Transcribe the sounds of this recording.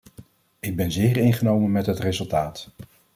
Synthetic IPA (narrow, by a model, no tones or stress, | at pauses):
ɪɡ̚bɛnzɪːɹɪjnχənowmənmɛtɦətrezɵlˠtaːt